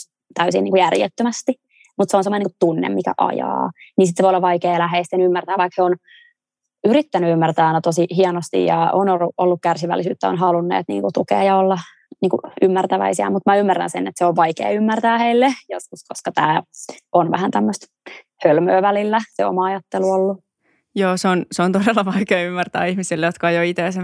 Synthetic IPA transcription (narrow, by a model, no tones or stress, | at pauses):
t̪æysinːiːŋkujærjet̪ːømæst̪i | mut̪seonsemːonikut̪unːḛmmikæ̰ʔɑ̰jɑ̰ːninsit̪seʋojolːɑʋʋɑikeːlæɦeːst̪ːenymːært̪æːʋɑikheon | yɾit̪ːænyymːært̪æːɑinæt̪osihiɑnost̪ḭjɑ̰onouʔolːukkærsiʋæ̰lːisy̰ːt̪ːæo̰nɦɑlunːḛːt̪nḭːŋkut̪ukḛːjɑolːɑ | niːŋkuymːært̪æʋæ̰isiæ̰mut̪mæymːærːæ̰nsenːet̪seoʋʋɑikḛːymːært̪æːheilːejoskuskoskɑt̪æ̰ːʔonʋæhænt̪æmːøst̪ | hølmøːʋælilːæseo̰mɑɑjɑt̪ːeluolːu | joːseonseont̪odelːɑʋɑikeːymːært̪æ̰ːihmisilːejot̪kɑejoit̪eːse